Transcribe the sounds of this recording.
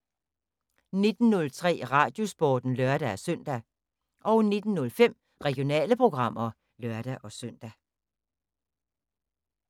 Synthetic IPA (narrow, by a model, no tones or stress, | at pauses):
ne̝d̥n̩nɔ̽lt͡sʰʁɛ̰ːʁɑ̈ːd̥jo̝sb̥ɔːd̥n̩lɶɐɾ̥ææsœn̰d̥æ | ʔɒʊne̝d̥n̩nɔ̽lfem̰ | ʁɛɡ̥ijo̝nɛ̰ːləpʰʁo̝ɡ̥ʁɑ̈m̰ɐ | lœɐd̥æʔɒ̽søn̰d̥æ